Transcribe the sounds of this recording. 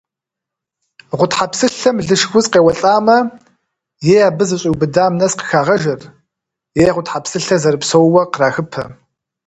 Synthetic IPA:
ʁʷʊtħapsɨɬɐmɮɨʃxʷʊzʼqeːwɐɬʼaːmɐ | jeːjaːbɨzɨɕʼiwbɨdaːmnɐsqə̥xaːʁɐʒɐr | jeːʁʷʊtħapsɨɬɐzɐrɨpsowwɐqəraːxɨpʰɐ

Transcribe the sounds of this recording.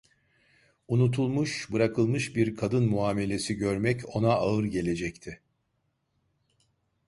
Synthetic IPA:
unut̪ʰulˠmuʃbɯɾakʰɯlˠmɯʃbiɾkʰad̪ɯnmuaːme̞lʲe̞siɟøɾmɛco̞naːɯɾɟe̞lʲe̞d͡ʒɛct̪ʰɪ

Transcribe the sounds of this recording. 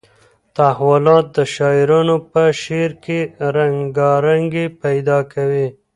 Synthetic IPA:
t̪ahwʊlɑt̪̚d̪əʃɑɪɾunopəʃeɾkeɾaŋɡɑɾaŋɡepajd̪ɑkʰawi

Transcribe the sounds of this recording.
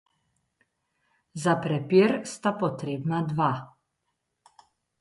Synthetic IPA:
zapɾɛpeːɾst̪apɔt̪ɾeːbnad̪ʋa

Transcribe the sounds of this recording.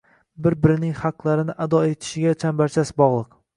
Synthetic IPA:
bɪɾbɪɾɪnɪŋχaqlˠaɾɪnɪʔad̪ɒet̪ʰɪ̥ʃɪɡʲat͡ʃʰambaɾt͡ʃʰasbɒʁlˠɨq

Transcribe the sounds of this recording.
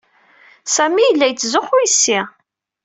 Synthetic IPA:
sæmijəlːæjt͡sːzʊχʊisːɪ

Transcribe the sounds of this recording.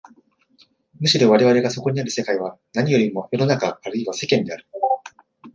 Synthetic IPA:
mɯ̟ɕiɾo̞βaɾe̞βaɾe̞ɡaso̞ko̞ɲ̟iaɾɯ̟se̞kaiβ̞anaɲ̟ijo̞ɾʲimo̞jo̞no̞nakaːɾɯ̟iβase̞kẽ̞nd̪e̞aɾɯ̟

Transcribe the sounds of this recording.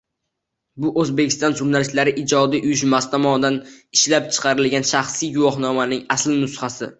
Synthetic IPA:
bʊʔɵzbekʲʰɪ̥st̪ɒnʒʊɾnalɪʃlaɾɪʔɪd͡ʒɒd̪iʔʊjʊʃmast̪ʰɒmɒnd̪anɪʃlap̚t͡ʃʰɨ̥qʰɑɾɪlɡʲanʃaχsijɡʊwɒχnɒmanɪŋaslɪnʊsχasɪ̰

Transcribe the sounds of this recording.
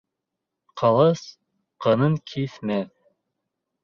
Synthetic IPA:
qʰɑlˠɤs | qɤ̆nɤŋkʰiθmæθ

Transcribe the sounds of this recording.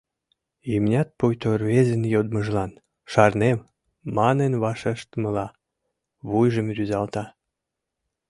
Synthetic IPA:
imnʲɑt̪̚pujt̪orβezənjod̪̚məʒlɑn | ʃɑrnem | mɑnenβɑʃeʃt̪mə̆lɑ | βujʒəmryzɑlt̪ɑ

